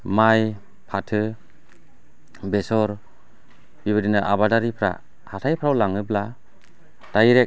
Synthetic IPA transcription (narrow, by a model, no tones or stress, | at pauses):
maj | pʰatʰɯ | besɔɾ | bibβɯdinɯʔabadaɾipʰɾa̰ | hatʰajpʰɾawlaŋɯbla | d̥ajɾek̚